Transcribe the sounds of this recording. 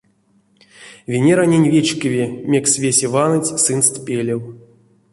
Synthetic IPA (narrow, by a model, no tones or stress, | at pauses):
vʲenʲeɾanʲenʲvʲet͡ɕkʲɨvʲemʲeksvʲesʲevanɨt͡sʲsɨnst̪pʲelʲew